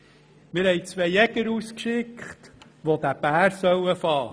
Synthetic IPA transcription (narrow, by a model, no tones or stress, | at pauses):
mɪɾhɛɪt͡sʋejɛɡ̥əɾuːskʃɪkχt | ʋod̪æb̥æːɾsœwəfɑː